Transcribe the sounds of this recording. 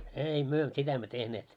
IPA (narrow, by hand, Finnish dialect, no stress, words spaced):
ei myø sitæ emːø tehneːt